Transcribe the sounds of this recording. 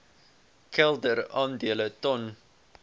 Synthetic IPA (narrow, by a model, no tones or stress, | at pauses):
kʰɛlˠdəɾɑːndiələtɔn